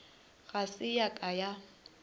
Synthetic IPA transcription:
ɣasɪjakʼaja

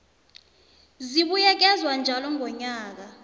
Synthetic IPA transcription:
ziɓujɛk̬ɛzwand͡ʒʱalɔŋʱɔɲaːk̬a

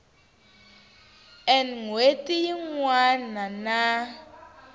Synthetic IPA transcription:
ɛnŋwetʼijiŋwanana

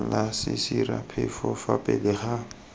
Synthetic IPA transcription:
lasɪsirapʰɛfɔfapʼɛlɪχa

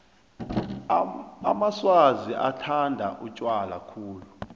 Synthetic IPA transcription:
a̰maswaziʔatʰandʱa̰ʔut͡ʃʼwala̰kʰuːlu

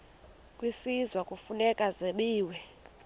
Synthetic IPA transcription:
kʼwisizwakʼufunɛkʼazeɓiːwɛ

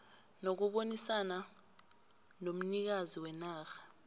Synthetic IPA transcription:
nok̬uɓonisana | nom̩nik̬aziwɛnaːxḁ

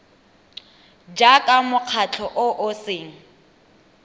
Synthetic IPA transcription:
d͡ʒakʼamʊq͡χʰat͡ɬʰɔʔʊʔʊseːŋ̩

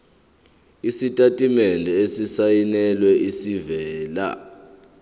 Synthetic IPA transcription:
isitʼatʼimɛndʱɛesisajinɛlwɛʔisivɛːla̰

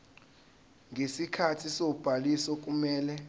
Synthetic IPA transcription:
ŋesikʰatʰisob̥ʱalisɔk̬ʼumɛːlɛ

